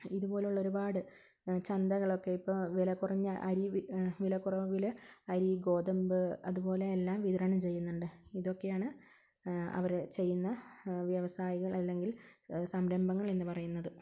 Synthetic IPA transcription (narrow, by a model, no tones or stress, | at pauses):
iðupo̞ːleuɭːoɾubaːɽɨ | t͡ɕɐnd̪ɐɣɐɭo̞kːe̞ipːoʋilɐkːurɐɲːɨʔɐɾiʋilɐkːurɐʋilɐɾiɡo̞ːd̪ɐmbɨɐðupo̞ːle̞ːlːaːmʋiðɐɾɐɳɐmt͡ɕe̞jːunːɐɳɖɨiðo̞kːe̞jaːɳɨ | ɐ̰ʋɐɾt͡ɕe̞jːunːɐʋjɐʋɐsaːjiɣɐɭɐlːe̞ŋɡilsɐmɾɐmbɐŋːɐɭenːɨpɐrɐjunːɐðɨ